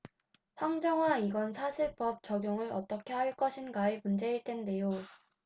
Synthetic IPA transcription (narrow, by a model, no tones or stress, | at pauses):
sʰaŋd͡ʑʌŋwaiɡʌnsʰasʰɯɭp͈ʌp̚t͡ɕʌɡjoŋɯɾʌ̰t͈ʌkʰe̞ɦhaɭk͈ʌɕʰinɡaemund͡ʑe̞iɭt͈e̞nde̞jo